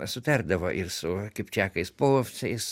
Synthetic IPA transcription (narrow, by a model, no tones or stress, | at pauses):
sʊt̪ʲɐrd̪ɐʋoːʔɪrsʊkʲɪpʲt͡ʃʲæːkɐɪspoːfʲt͡sʲɐɪs